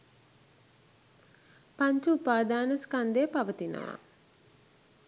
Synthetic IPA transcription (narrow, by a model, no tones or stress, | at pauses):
paɲt͡ʃuupaːd̪aːnəskand̪epaʋət̪inə̰ʋa̰